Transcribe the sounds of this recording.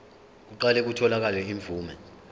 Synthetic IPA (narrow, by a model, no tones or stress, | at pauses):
k̬uǃalɛk̬utʰɔlak̬alɛiɱb̪vʱuːmɛ